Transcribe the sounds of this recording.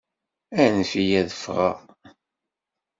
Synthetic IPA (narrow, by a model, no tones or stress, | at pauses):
ænfijæðəfʁa̰